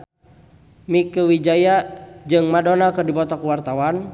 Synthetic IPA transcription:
mikəwid͡ʒajad͡ʒɨŋmadɔnakɨrdipɔt̪ɔkuwart̪awan

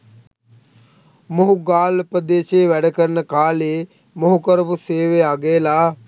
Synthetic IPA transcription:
moɦuɡaːlpɾəd̪eːʃeːʋæɖəkəɾnəkaːleː | moɦukəɾəʋuseːʋeaɡeːlaː

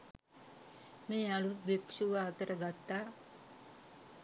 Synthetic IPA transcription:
mealut̪̚beksuʋaːt̪əɾəɡat̪ːa

